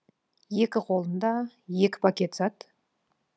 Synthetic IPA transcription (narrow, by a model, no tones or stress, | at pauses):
je̞kʲɪqʰo̞lˠənd̪ɑje̞kʲɪ̥pʰakʲe̞t̪sɑt̪